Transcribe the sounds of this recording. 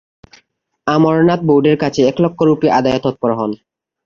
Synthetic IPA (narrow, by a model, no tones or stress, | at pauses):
amɔɾnat̪̚bowɖeɾkat͡ɕʰeɛklɔkʰːoɾupiʔad̪ajot̪ɔt̪̚pɔɾoɦɔn